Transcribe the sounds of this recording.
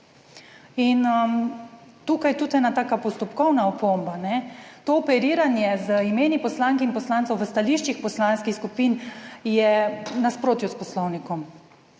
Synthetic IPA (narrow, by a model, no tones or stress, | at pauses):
inə | t̪uːkajt̪ut̪ɛnat̪aːkapɔst̪ɔpkɔwnaɔpombanɛt̪oːpɛɾiːɾanjɛzəimeːnipɔslaŋkɛinpɔslaːnt̪sɔwʋəst̪aliːʃt͡ʃixpɔslanskixskupinjɛnaspɾoːt̪juspɔslɔwnikɔm